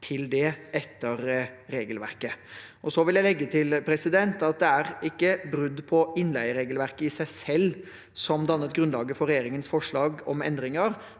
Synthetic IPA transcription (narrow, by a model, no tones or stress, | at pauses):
t̪ʰɪld̪ɛɛt̪ʰːəɾɾeːɡəlʋæ̰ɾkə | ʔɔsɔʋɪljæɪlɛɡːət̪ʰɪlpʰɾɛsɪd̪ɛnt̪ɑt̪̚d̪ɛæɾɪkːəbɾʉd̪ːpʰɔɪnlæɪəɾeːɡəlʋæɾkəɪsæɪsɛlː | sɔmd̪ɑnːət̪̚ɡɾʉnlɑːɡəfɔɾɛjeːɾɪŋənsfɔʂɭɑːɡɔmɛ̰nd̪ɾɪŋəɾ